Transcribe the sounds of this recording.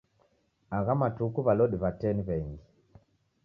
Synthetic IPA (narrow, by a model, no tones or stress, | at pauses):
aɣamatukuβalɔɗiβatɛniβɛŋɡi